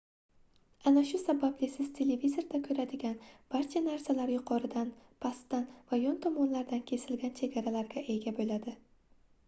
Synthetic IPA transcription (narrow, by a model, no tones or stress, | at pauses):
anaʃʊsabablɪsɪz̥t̪ʰe̞le̞vizo̞ɾd̪akʲʰɵɾad̪ɪɡʲanb̥aɾt͡ʃʰanaɾsalaɾjʊqʰɒɾɪd̪anpʰast̪ːanvajɒnt̪ʰɒmɒnlaɾd̪ankʲʰe̞sɪlɡʲant͡ʃʰe̞ɡʲaɾalaɾɡʲaʔe̞ɡʲabolad̪ɪ